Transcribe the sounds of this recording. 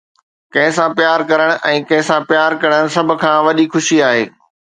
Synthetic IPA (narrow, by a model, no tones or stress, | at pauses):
kɐ̃ɦɪ̃sãpjaːɾkɐɾəɽ̃ʊ̆ʔɛ̃ːkɐ̃ɦɪ̃sãpjaːɾkɐɽəɽ̃̆sɐbʱʊ̆kʰãːʋɐɗixʊʃiaːɦeː